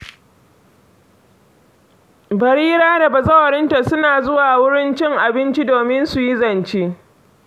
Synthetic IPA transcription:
bɐ˨ɾiː˦ɾaː˦da˨bɐ˨zɐ˦wɐ˨ɾɪ˦nta˨sʊ˦naː˨zʊ˦waː˨wʊ˦ɽɪ˦nt͡ʃɪ˦ŋʔa˨bɪ˦nt͡ʃi˦doː˨mɪ˦nsu˨ji˦zɐ˨nt͡ʃi˦ʔ

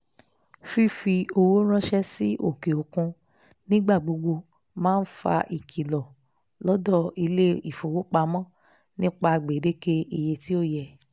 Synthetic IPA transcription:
fi˦fi˧o˧wo˦ɾ̃ã˦ʃɛ˦si˦ʔo̰˦˨ke˨o˨kũ˧ | nĩ˦ɡ͡ba˦˨ɡ͡bo˨˧ɡ͡bo˧ | mãː˦n̩˦fa̰˧ʔi˨kʰi˨lɔ˨ | lɔ˦dɔ˦˨i˧le˦i˦˨fo˨wo˦k͡pa˧mɔ̃˦˨ | nĩ˦k͡pa˧˨ɡ͡be˨de˦ke˦i˨je˧ti˦o˦˨jɛ˧˨

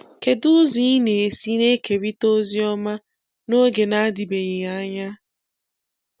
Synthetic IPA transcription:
ke˨dʊ˦zi˦ne˨e˨si˦ne˦ke˨ɾi˦to˦zi˦ɔ˦ma˦ | no˦ɡe˨na˦di˨be˨ɲɪ˨a˦ɲa˦

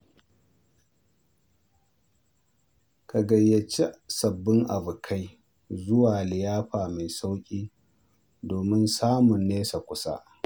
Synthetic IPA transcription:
ka˨ɡɐ˨jːɐ˨t͡ʃe˦sɐ˨bːɪ˦ŋʔa̰˨bʊ˨kʰa˦j | zʊ˦waː˨lɪ˨jaː˦ɸaː˨ma˨jsa˦wkʲʼiː˦ | doː˨mɪ˦nsaː˦mʊ˨nːeː˦sa˨kʷʊ˦sa̰˦ʔ

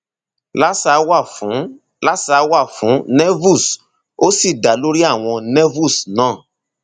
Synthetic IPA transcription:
la˦sa˨˦wa˦˨fũ˨˦ | la˦sa˨˦wa˦˨fũ˨˦nɛ˦vu˦˨s | o˦si˦˨da˨lo˦ɾi˦a˦˨w̃ɔ̃˧nɛ˦vu˦˨snãː˦˨

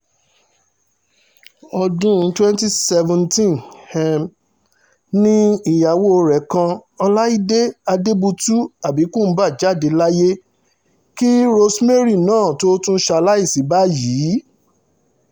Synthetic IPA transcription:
ɔ˧dũ˦˨˦twɛ̃˦nti˦sɛ˧vɛ̃˧ntĩ˦nhɛ˧m | nĩ˦i˨ja˨wo˦˧ɾɛ˨˦kã˧ɔ˧la˦i˦de˦a˧de˦bu˧tu˦a˨bi˨˦kũ˦˨m̩˨˦ba˦˨d͡ʒa˦˨de˧la˦je˦ | ki˦ɾo˧sme˦ɾi˦˨nãː˦˨to˦tũ˦ʃa˧la˦i˦˨si˨˦ba˦jiː˨˦

